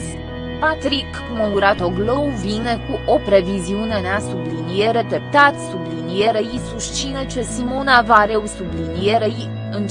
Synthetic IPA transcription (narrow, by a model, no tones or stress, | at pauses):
pat̪ɾik | mowɾat̪oɡlowvinekuʔopɾeviziuneneasublinijeɾet̪ep̚t̪at̪sublinijeɾeisuʃt͡ʃinet͡ʃesimonavaɾewsublinijeɾei | ɨn